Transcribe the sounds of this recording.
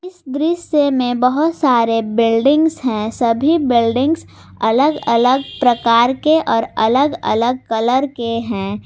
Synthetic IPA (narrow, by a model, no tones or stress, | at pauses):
ɪsd̪ɾɪʃjemẽbəɦʊt̪saːɾebɪlɖɪ̃ŋɡzɦɛ̃sɐbʱibɪlɖɪ̃ŋɡz | ɐləɡɐləɡpɾəkaːɾkeʔɔːɾɐləɡə̰ləɡ̚kələɾkeɦɛ̃ː